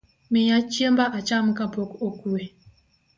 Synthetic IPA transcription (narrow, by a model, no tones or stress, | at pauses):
mijat͡ʃjəmbaʔat͡ʃamkapokokue